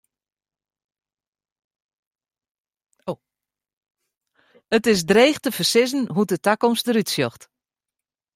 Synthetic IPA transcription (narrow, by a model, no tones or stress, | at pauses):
ətɪsdreːxtəfərsɪzən̩ɦutətakɔmstəɾytsjɔxt